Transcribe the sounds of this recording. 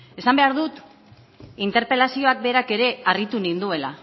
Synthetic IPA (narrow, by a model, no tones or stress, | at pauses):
e̞sambe̞aɾðut̪ | int̪e̞ɾpe̞lasio̞ak̚be̞ɾake̞ɾe̞arɣit̪unind̪ue̞la